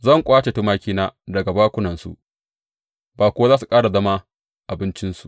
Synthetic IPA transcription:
zɐ˦˨ŋkʷʼaː˦t͡ʃe˨tu˦maː˦kʲiː˦naː˦dɐ˨ɡa˨baː˦kʷʊ˦nɐ˨nsṵ˨ʔ | baː˨kʷʊ˦wa˦zaː˦s̬u˨kʼaː˦ɽa˨zɐ˦ma˦ | ʔa˨bɪ˦nt͡ʃɪ˦nsu˨ʔ

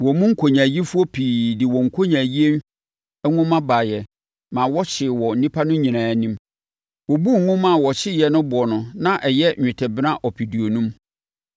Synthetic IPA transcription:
wɔ˨mʊ̃˦ŋ̩˦kʰo˨ɲã˨ji˦fu˦ɔ˦pʰiː˨dɪ˨wɔ̃˨ŋ̩˨kʰo˦ɲã˨ji˦e˦n˦ | ɛ˦ŋʊ̃˦mã˦ba˨jɛ˨ | mã˨wɔ˦t͡ɕʰɪ˨wɔ˨n̩˦nĩ˦pʰa˦nʊ̃˦ɲĩ˨nãː˨nĩ˦m | wɔ˨bu˦ŋ˨ŋʊ̃˦mã˦˨wɔ˨ɕʰɪ˦jɛ˨nʊ̃˦bʊ˨ɔ˨nʊ̃˨nã˦ʔɛ˨jɛ˦˨ɪ˨tʰɛ˨bɪ˦nã˦ʔɔ˨pʰi˨di˨o˨nũ˦m

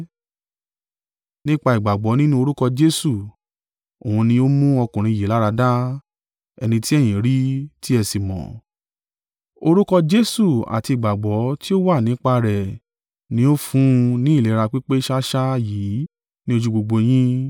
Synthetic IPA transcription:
nĩ˦k͡pa˧i˨ɡ͡ba˨ɡ͡bɔ˨˦nĩ˦nũ˦o˧ɾu˦kɔ˧d͡ʒe˦su˦˨ | o˨hũ˧nĩ˧o˦mũ˦ɔ˧kũ˨ɾ̃ĩ˧ji˨la˨˦ɾa˧da˦ | ɛ˧nĩ˧ti˦ɛ˦˨j̃ĩ˨ɾi˦ti˦ɛ˧si˨mɔ̰̃˨ | o˧ɾu˦kɔ˧d͡ʒe˦su˦˨a̰˨ti˧i˨ɡ͡ba˨ɡ͡bɔ˨˦ti˦o˦wa˦˨nĩ˨˦k͡pa˧ɾɛ˨ | nĩ˧˦o˦fũ˦˧nĩ˦i˦˨le˨˦ɾa˧k͡pi˦k͡pe˦ʃa˦ʃa˦jiː˨˦ | nĩ˦o˧d͡ʒu˦˧ɡ͡bo˧ɡ͡bo˧j̃ĩ˦

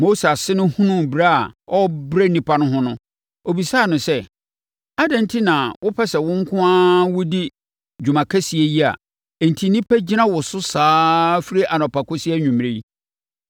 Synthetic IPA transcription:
mo˦sa˨sɪ˦nʊ̃˦hũ˦nʊ̃˦˨bɾa˦a˨ɔ˦bɾe˦nĩ˦pʰa˦nʊ̃˦ɦʊ̃˦nʊ̃˦ | o˨bi˨saː˦˨nʊ̃˨sɛ˦ | a˦dɛ̃˨n̩˦tʰi˦nã˨wʔʊ˦pʰɛ˦sɛ˨wʊ̃˦ŋ̩˦kʰʊ̃˦ãː˦wʊ˦di˦ | d͡ʑᶣu˨mã˨kʰæ˦si˨e˦ji˦a̰˨ | n̩˨tʰi˨˦nĩ˦pʰæ˦d͡ʑi˦nã˦wʊ˨sʊ˦saː˦fi˦ɾe˦ʔa˨nɔ̃˨pʰa˨kʰʊ˦si˦ɛ˦ɲᶣũ˨m˨ɾe˦i˦

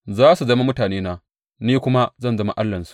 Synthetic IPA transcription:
zaː˦su˨zɐ˦ma˦mʊ˦taː˨neː˦naː˦ | niː˦kʷʊ˦ma˦zɐ˦˨nzɐ˦ma˦ʔa˦lːɐ˨nsu̥˨ʔ

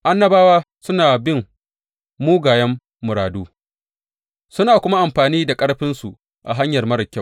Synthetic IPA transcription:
ʔa˦nːɐ˦baː˦waː˦ | sʊ˦naː˨bɪ˦mː | uː˦ɡaː˨jɐ˦mː | ʊ˨ɾaː˨duː˦ | sʊ˦naː˨kʷʊ˦ma˦ʔa˨mɸaː˨niː˦da˨kʼɐ˦ɽɸɪ˦nsu˨ʔ | ʔa̰˨ɦa˦ɲjɐ˨rmɐ˦ɾɐ˨kʲːɐ˦˨

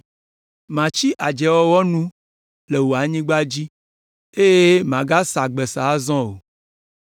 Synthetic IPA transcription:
mã˨t͡ʃi˦ʔa˨d͡ʒɛ˨wɔ˦wɔ˦nũ˦ | le˨wo˨a˨ɲĩ˦ɡ͡ba˦d͡ʑi˦ | e˦je˦mã˨ɡa˦sa˨ɡ͡bɛ˨sa˨˦zɔ̃˦o˨

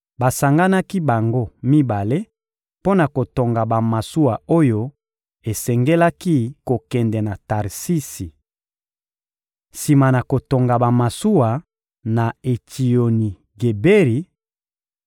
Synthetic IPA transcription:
ba˨sa˨ŋɡa˦na˦ki˦ba˨ŋɡo˦mi˦ba˨le˦ | po˦na˨ko˨to˨ŋɡa˨ba˨ma˨su˦wa˨o˦jo˦ | e˨sɛ˨ŋɡɛ˦la˦ki˦ko˨kɛ˨ndɛ˨na˨ta˨ʁsi˦si˨ | si˨ma˨na˨ko˨to˨ŋɡa˨ba˨ma˨su˦wa˨ | na˨e˨tʰi˨o˨ni˨ | ɡe˨be˦ʁi˨

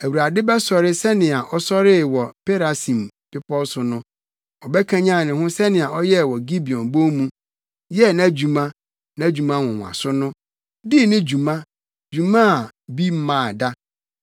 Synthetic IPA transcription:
æ˨wu˨ɾa˨dɪ˦bɛ˦sɔ˨ɾɪ˦sɛ˦nɪ̃˨a˨ʔɔ˦sɔ˦ɾɪ˦wɔ˨pʰe˦ɾa˨sĩ˨m | pɪ˦pʰɔ˦sʊ˨nʊ̃˦ | ɔ˨bɛ˦kʰã˦ɲã˦˨nɪ̃˨hʊ̃˦sɛ˦nɪ̃˨a˨ɔ˦jɛ˦˨wɔ˨ɡi˦bi˨ɔ̃˨nbõ˦mũ˦ | jɛ˦nã˦d͡ʑu˨mã˦ | nã˦˨d͡ʑu˨mã˦wʊ̃˨ŋʷ˨a̰˨sʊ˦nʊ̃˦ | di˦˨nɪ̃˦d͡ʑu˨mã˦ | d͡ʑu˨mã˦a˨bi˦m̩˦mãː˨da˦

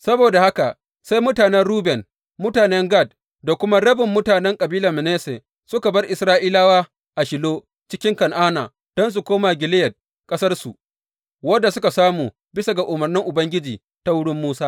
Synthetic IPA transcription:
sɐ˦boː˨da˨ha˦ka˨ | sa˦jmʊ˦taː˨nɛ˦nrɽuː˦bɛ˨n | mʊ˦taː˨nɛ˦ŋɡa˦˨d̚ | da˨kʷʊ˦ma˦ɽɐ˦bɪ˨mːʊ˦taː˨nɛ˦ŋkʼɐ˨biː˦lɐ˨mɪ˨neː˦se˨ | sʊ˦ka˨bɐ˦rʔɪ˨sɾaː˦ʔiː˦laː˦waː˦ | ʔa˨ʃɪ˨loː˦ | t͡ʃɪ˦kʲɪ˦ŋkɐ˨nʔaː˦na̰ː˨ | d̥ɔ˦ns̬u˨kʷoː˦ma˨ɡʲɪ˨lɪ˦jɛ˨d̚ | kʼɐ˦sɐ˦rsu˨ | wɐ˦dːa˨sʊ˦ka˨saː˦muː˨ | bɪ˦sa˨ɡa˨ʔʊ˨mɐ˨rnɪ˦ŋʔʊ˨bɐ˦ŋɡʲɪ˦d͡ʒiː˨ | ta˦wʊ˦ɽɪ˦mːuː˦saː˦

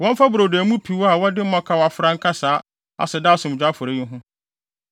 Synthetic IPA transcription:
wɔ̃˦m˦fa˦bʊ˨ɾo˨dmũ˦pʰi˨wa˨wɔ˦dɪ˦m̩˦mɔ̃˦kʰa˨wa˨fʊ˨ɾã˦ŋ̩˦kʰa˦saː˨˦ | a̰˨sɛ˨da˦˨sʊ̃˨m̩˨d͡ʑᶣa˦fʊ˨ɾe˦ʊ̃˦ɦʊ̃˦

